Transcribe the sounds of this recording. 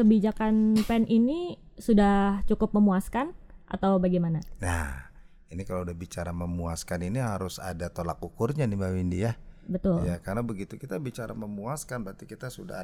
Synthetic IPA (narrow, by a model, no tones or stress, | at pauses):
kəbid͡ʒakanpɛnini | sudaht͡ʃukʊp̚məmuaskanʔa̰t̪awbaɡimanana̰h | inikalaudahbit͡ʃaɾaməmuaskaniniɦaɾʊsa̰dat̪olakukʊrɲanimawindijabət̪ʊljakaɾnabəɡit̪ukit̪abit͡ʃaɾa̰məmuaskanbəɾt̪ikit̪asuda̰